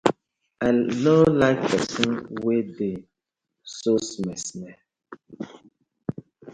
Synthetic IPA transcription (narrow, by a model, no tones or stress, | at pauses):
alolaɪk̚pɛsɔ̃nwede | sosmɛsmɛ